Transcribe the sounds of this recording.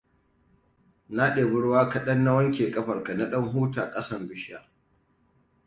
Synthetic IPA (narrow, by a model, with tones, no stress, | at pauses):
na˦ɗeː˨bʊ˦ɽwaː˦kɐ˨ɗɐ˦nːa˦wɐ˦ŋkʲeː˨kʼɐ˦ɸɐ˨rka˨na˦ɗɐ˦ŋɦuː˦taː˨kʼɐ˦sɐ˦˨mbʊ˦ʃa˨